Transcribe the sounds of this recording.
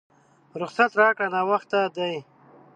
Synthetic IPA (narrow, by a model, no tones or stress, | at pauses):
ɾʊχsat̪ɾaːkɽanawaxt̪ad̪aj